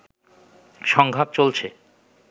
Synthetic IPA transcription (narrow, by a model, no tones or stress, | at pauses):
ʃɔŋɡʱap̚t͡ɕolt͡ɕʰe